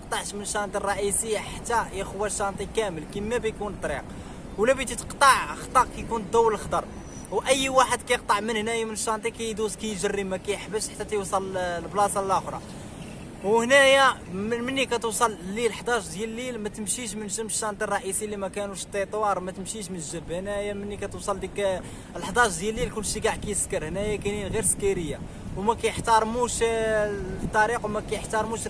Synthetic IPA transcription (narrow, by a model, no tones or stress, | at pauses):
q̚t̪ˤɑʕʃmənʃɑnt̪ˤirˤɑʔisəjːaħat̪ːæjəxwæʃːɑnt̪ˤikæməlkimːæbəjkunt̪ˤɾḭq | wlæbijt̪it̪ə̥qt̪ˤɑʕxt̪ˤɑqkæjkunt̪̚d̪æwːəllxd̪ɑɾˤ | wʔəjːwaħəd̪kæjəq̚t̪ˤɑʕmənhnæjamənəʃːɑnt̪ˤikæjd̪uzkæjʒərːimːækæjəħbəʃħḁt̪ːæt̪jwsˤɑllblɑsɑlæxɾˤɑ̰ | whnæjammənːikæt̪usˤɑllilħd̪ˤɑʒd̪jællːilmæt̪əmʃiʃmənʒəmʃːɑnt̪ˤirˤɑʔisilimækænuʃt̪ˤːet̪ˤwɑɾˤmæt̪əmʃiʃmənʒəbhnæjæmənːikæt̪uwsˤɑld̪ik | əlħd̪ˤɑʒd̪jælːilkunːəʃːəɡaʕkæjəskəɾhnæjakæninɣiɾskiɾəjːa | wmækæjəħt̪ɑɾˤmuʃ | t̪ˤːɑɾiqwmækæjəħt̪ɑɾˤmuʃ